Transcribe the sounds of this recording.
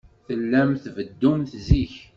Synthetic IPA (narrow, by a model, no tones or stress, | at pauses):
θəlːæmθvəd̪ːumθziç